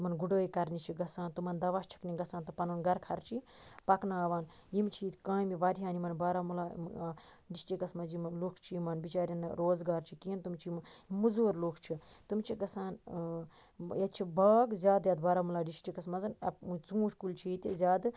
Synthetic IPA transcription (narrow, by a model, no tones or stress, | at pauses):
mɐnɡuɖoːikɐɾnit͡ʃʰiɡɐsaːnt̪umɐnd̪ɐʋast͡ʃʰɐ̥knʲiɡɐsaːnt̪ɨpɐnuːnɡɐɾkʰɐɾt͡ʃʰi | pɐknaːʋaːn | jimt͡ʃʰiit̪kãːmiʋɐɾiɦaːnimɐnbaːɾaːmulaː | ɖisʈikɐsmɐzimlukʰt͡ʃʰijimɐnbit͡ʃaːɾʲɐnɾoːzɡaːɾt͡ʃʰikiːnt̪umt͡ʃʰimimuzoːɾluːkʰt͡ʃʰit̪umt͡ʃʰiɡɐsaːn | jɐt̪t͡ʃʰibaːɡzʲjaːd̪jaːd̪baːɾaːmulaːɖisʈikɐsmɐzɐnɐ̰pt͡sũːʈʰʲkult͡ʃʰiit̪izʲaːd̪